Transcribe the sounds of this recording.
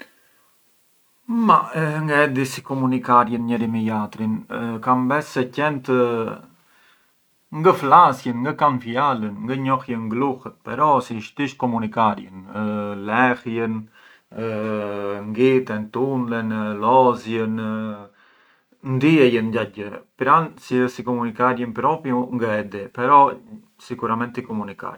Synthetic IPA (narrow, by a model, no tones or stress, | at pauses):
maŋɡaɛd̪isi̥kɔmunikaɾjənɲəɾimijat̪ɾinkambɛsːɛcɛnt̪ə | ŋɡəflasjənŋɡəkanfjalənŋɡəɲɔhjəŋɡluhət̪̚pɛɾɔsiʃt̪iʃkɔmunikaɾjə̰nlɛhjən | ŋɡit̪ɛnt̪unlɛnlɔzjən | nd̪iɛjənɟaɟəpɾansiəsikɔmunikaɾjənpɾɔpjuŋɡəɛd̪ɛpɛɾɔ | sikuɾamɛnt̪ikɔmunika̰ɾ